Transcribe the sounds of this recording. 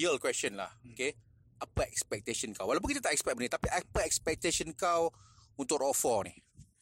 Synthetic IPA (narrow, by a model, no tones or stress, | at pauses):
iəlkwɛst͡ʃə̃nla̰hoke | ʔapəɛkspɛk̚t̪eʃə̃nkawːalawp̬ʊnkit̪at̪aʔɛkspɛk̚mənit̪apiʔɛpəɛkspɛk̚t̪eʃə̃nkawunt̪ʊkɔfɔnḭ